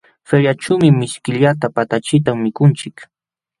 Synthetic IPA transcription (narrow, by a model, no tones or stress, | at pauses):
feɾjat͡ʃaːmɪmɪʃkɪʎat̪apat̪at͡ʃɪt̪amːɪkʊnt͡ʃɪk